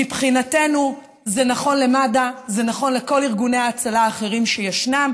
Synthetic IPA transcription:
ipχinate̞nu | zenaχo̞nle̞madaze̞naχo̞nle̞ko̞liʁɡunejaːt͡salaːχe̞ʁimʃejaʃnam

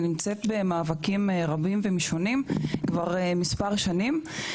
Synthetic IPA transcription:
nimt͡setbe̞maːvakimʁabimvemiʃonimkvaʁmispaʁʃanim

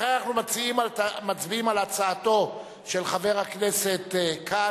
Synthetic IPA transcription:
χeanaχnumat͡siimalmat͡sbiimalat͡saːto̞ | ʃe̞lχave̞ʁhakne̞se̞t̪kʰa

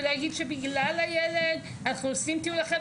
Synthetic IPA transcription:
dejaɡid̪ʃebiɡlalajeled̪ | anaχnuosimt̪iulaχe

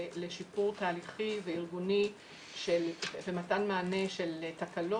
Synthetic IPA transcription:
leʃipuʁtaːliχiveiʁɡuni | ʃelvematanmaːne̞ʃeltakalo

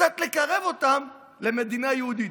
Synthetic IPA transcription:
at̪le̞kaʁe̞vo̞t̪am | le̞me̞d̪inajehud̪i

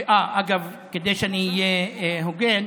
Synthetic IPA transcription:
ʔaʔaɡav | ked̪ejʃaniijeɦoɡel

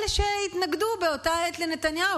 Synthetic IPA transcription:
lʃejit̪naɡd̪ubeot̪aet̪lenet̪anja

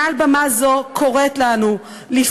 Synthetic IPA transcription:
albamazokʰoʁet̪lanu | lif

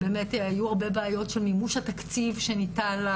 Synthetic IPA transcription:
beːmeteajuaʁbe̞beajo̞tʃelmimuʃhatakt͡sivʃenital

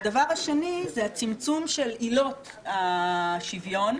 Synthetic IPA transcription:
davaʁaʃenizeat͡simt͡sumʃe̞lilo̞t | aʃivjo̞n

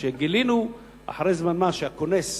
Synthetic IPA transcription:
ʃeɡilinu | ʔa̰ħaʁejzmanmaʃeakone̞s

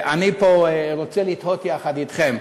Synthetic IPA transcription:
ʔanipoeʁot͡selit̪hot̪jaχad̪it̪χem

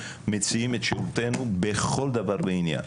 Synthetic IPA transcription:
met͡siimet̪ʃeʁut̪e̞nubeχo̞ld̪avaʁbeinja̰n

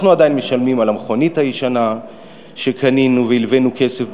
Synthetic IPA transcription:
χnuad̪ajinmeʃalmimalamχo̞nithajiʃana | ʃe̞kaninuveilve̞nuke̞sef

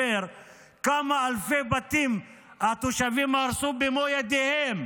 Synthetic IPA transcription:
eɾ | kamaɐlfebɐt̪im | at̪uʃɐʋimaɾsubimoːjad̪eɦem

